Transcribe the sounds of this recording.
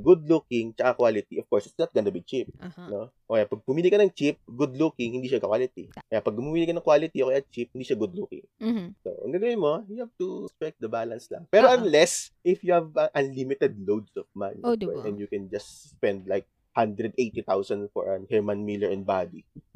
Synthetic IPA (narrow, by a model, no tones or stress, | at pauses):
ɡʊd̪lukɪŋt͡ʃɐkakwaːlɪt̪iʔɔfkɔɹsɪt̪snɐt̪ɡɐnʊbit͡ʃip̚noʔokjapɐɡ̚pʊmilɪɡ̚kːɐnɐŋt͡ʃɪp̚ɡʊd̪lukɪŋhɪ̃nd̪iːʃakwalɪt̪ikɐjapɐɡ̚pʊmumiːlɪɡkːɐnɐŋkwaːlɪt̪iokɐjat͡ʃip̚hɪnd̪iːʃaɡʊd̪lukɪ̰̃ŋso̰ʔɐ̰ŋɡɐɡɐwɪnmojʊhavt̪ust̪ɹɛk̚d̪ɐbaːlɐnslɐ̰ŋpɛːɾoʔɐnlɛsʔɪfjuhɐvɐʔɐnlimɪt̪ɛd̪̚lowd̪sɔvma̰niɛʔɛ̃njukɛnd͡ʒɐst̪spɛ̃nd̪̚lajk̚ | hãnd̪ɾɛd̪ʔejt̪it̪awsɐnfɔ̰ɹɐnhɛɹmɐnmilɛɹɛnbad̪i